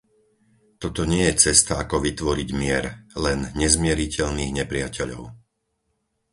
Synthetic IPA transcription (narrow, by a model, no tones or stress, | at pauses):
t̪ɔt̪ɔɲɪɛjɛt͡sɛst̪aakɔʋit̪ʋɔɾiɟmɪɛɾlɛnɲɛzmɪɛɾicɛʎniːɣɲɛpɾɪacɛʎɔ̰ʊ